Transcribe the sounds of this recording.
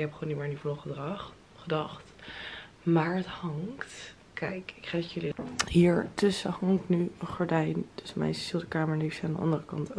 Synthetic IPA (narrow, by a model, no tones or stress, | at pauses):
kɛpχʋoːnːimɪɹnivlɔχədrɑχ | χədɑχt | maːɹəthɑŋt | kɛjkɪkχatjəlihiːɹtɵsəhɑŋknyχɔɹdɛjndəsəmɛ̰jssilˠdəkaːməɹnifsaːndəʔɑ̰ndərəkɑnt